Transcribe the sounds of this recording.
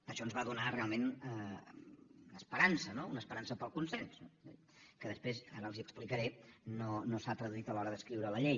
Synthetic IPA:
əʃɔənzβaðunarealˠmenə | unəspəɾansənounəspəɾansəpəlˠkunsɛnsnoezðikəðəspɾezaɾəlˠziəksplikəɾenonosat̪ɾəðuit̪əlɔɾəðəskɾiwɾələʎej

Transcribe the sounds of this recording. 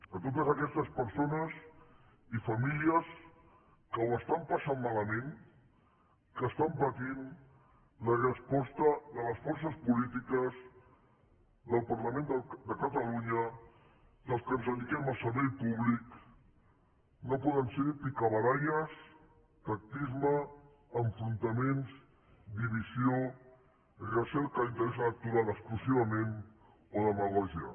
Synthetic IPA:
ət̪ot̪əzəkɛst̪əspəɾsonəz | ifɐmiliəs | kəwəst̪ampəsammaləmẽn | kəːst̪ampət̪in | lərəspɔst̪ələrəsfɔɾs̬əspulit̪ikəz | ðəlˠpəɾləmẽnd̪d̪əkət̪əluɲə | ðəskənzðəðikɛməlˠsəɾβɛjpuβlik | nopɔðənseɾipikəβəɾajəs | t̪ak̚t̪izmə | əɱfɾunt̪əmenz | d̪iβ̞izijo | rəsɛlˠkəint̪əɾɛsələk̚t̪uɾaðəksplusiβ̞əmen | oðəməɣɔʒiə̰

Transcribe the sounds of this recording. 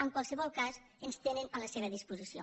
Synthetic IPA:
əŋkwalˠsəβɔlˠkaz | ənst̪enənələseβəðispuzisio̰

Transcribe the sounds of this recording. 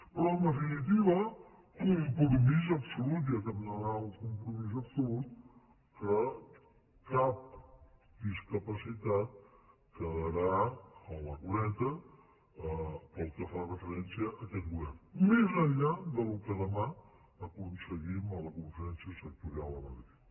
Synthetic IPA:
pɾɔnd̪əfinit̪̬iβə | kumpɾumiz̬əbsulut̪̬jəkəmnəɾauŋkumpɾumiz̬ɐbsulut̪̚ | kə | kap̚ | d̪iskəpasit̪at̪̚ | kəðəɾaəwəkuɾɛt̪ə | pəlˠkəfarəfəɾɛnsiəʔːkɛt̪̚ɡuβɛrnmezəʎːad̪əlukəðəma | əkunsəɣimələkuɱfəɾɛnsjəsək̚t̪uɾialˠələðəti

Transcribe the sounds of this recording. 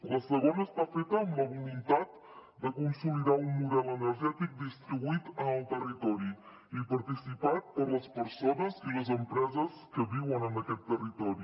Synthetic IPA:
ləsəɣ̞onəːst̪afet̪əːmləβulunt̪at̪ | d̪əkunsumiðaunmuðɛlənəɾʒɛt̪ik̚d̪ist̪ɾiβuit̪ənəlˠt̪ərit̪ɔɾi | ipəɾt̪isipat̪̚pəɾləspəɾsonəziləzəmpɾɛzəs | kəβiwənənəkɛt̪ːərit̪ɔɾi

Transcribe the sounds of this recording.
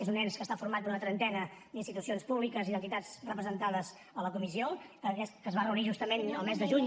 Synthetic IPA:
ezunɛnskəst̪afuɾmat̪̚d̪unət̪ɾənt̪ɛnəd̪inst̪it̪usionspuβlikəziðənt̪it̪ad͡zrəpɾəzənt̪aðəz | ələkumisioəkəzβarəuniʒust̪əmenəlˠmezðəʒuɲ

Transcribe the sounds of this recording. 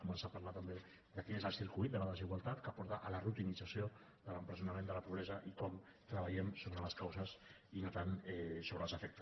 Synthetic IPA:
kumənsapaɾlat̪əmbe | ðəkinezəlˠsiɾkuijt̪̚d̪ələðəziɣwalˠt̪at̪kəpɔɾt̪aʔələrut̪inid͡zasio | ðələmpɾəzjunamẽnd̪ələpuβɾɛzəʔikɔmt̪ɾəβəʎɛmsoβɾələskawzəs | inot̪anɛsoβɾəlˠzəfɛk̚t̪ə

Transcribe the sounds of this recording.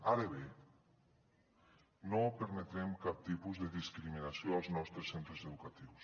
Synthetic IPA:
aɾəβe | nopəɾmət̪ɾɛmkap̚t̪ipuzðəðiskɾiminasjoalˠznɔst̪ɾəsent̪ɾəzəðukat̪iws

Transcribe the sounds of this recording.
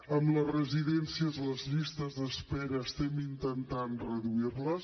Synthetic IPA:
əmləzrəziðɛnsiəzləzʎist̪əzðəspɛɾəːst̪ɛmint̪ənt̪anrəðuirləs

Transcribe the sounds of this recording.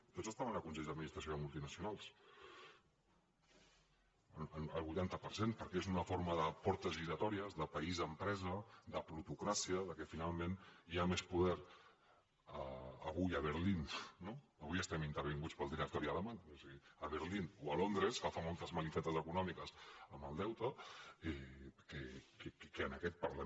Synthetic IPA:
t̪otzəst̪aβənəkunseʎd̪əd̪minist̪ɾəsjoəmulˠt̪inəsijunalˠs | ənənəlˠβujt̪ant̪əpəɾsenpəɾkɛezunəfoɾməðəpɔɾt̪əzβiɾət̪ɔɾiəzðəpəizəmpɾɛzəðəpɾut̪ukɾasiəðəkɛfinalˠmẽniamespuðɛɾ | əə̰βujəβ̞əɾlinnoəβujəst̪ɛmint̪əɾβiŋɡut͡spəlˠd̪iɾək̚t̪ɔɾiələmaɲosiɣiəβəɾlinuəlond̪ɾəskafamolˠt̪əzməlifɛt̪əzəkunɔmikəzəməlˠd̪ɛwt̪əɛkekkkəənəkɛt̪̚pəɾlə

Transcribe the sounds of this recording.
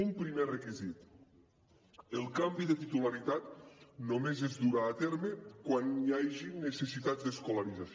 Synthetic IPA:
umpɾimerəkizit̪ | elˠkambiðət̪it̪ulaɾit̪at̪nomezezd̪uɾaːt̪eɾməkwanjajʒinesesit̪azd̪eskolaɾiza

